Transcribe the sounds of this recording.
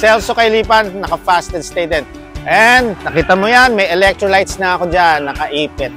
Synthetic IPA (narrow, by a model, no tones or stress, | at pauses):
sɛlsokɐjliːpanːɐkɐfast̪ɛd̪st̪ejd̪ɛn | ʔɛnd̪nɐkiːt̪ɐmojanmɐjɛlɛk̚t̪ɹolajt̪snɐɐkod͡ʒanːɐkɐʔiːpɪt̪̚